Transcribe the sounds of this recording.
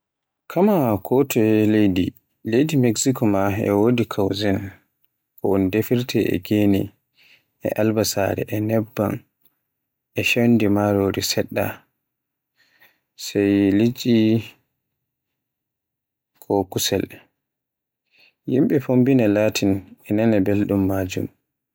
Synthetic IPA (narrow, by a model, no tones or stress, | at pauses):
kʰamakʰɔtʰɔɛlejdi | lejdimɛksikɔmaɛ̰wodikʰawzɛn | kɔɔndefiɾtʰɛʔɛ̰ɡenḭ | ʔɛ̰ʔalbasa̰ɾɛ̰ʔɛnɛbːa̰n | ɛʃandimaɾoɾisɛɗːa̰ | sɛjlit͡ʃʼi | kʰɔkusɛl | jimɓɛfombinalaːtʰinɛnanabelɗumːaːd͡ʒṵm